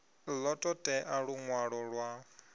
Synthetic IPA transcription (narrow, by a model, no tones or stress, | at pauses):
lɔtʼɔtʼɛʔaɺuŋwaɺɔɺwa